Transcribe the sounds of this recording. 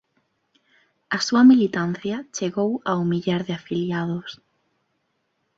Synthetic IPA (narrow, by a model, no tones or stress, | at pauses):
ɐsuɐmilit̪an̟θjɐt͡ʃeɣowaumiʎaɾðɪafiljaðʊs